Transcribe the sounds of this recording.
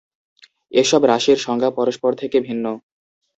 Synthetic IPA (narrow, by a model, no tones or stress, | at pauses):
eʃɔbɾaʃiɾʃɔŋɡʱapɔɾoʃpoɾt̪ʰekebʱinːo